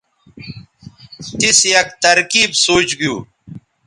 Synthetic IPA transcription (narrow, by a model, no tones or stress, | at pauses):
t̪isjɐk̚t̪ɐɾkiːbsoːt͡ɕɡjuː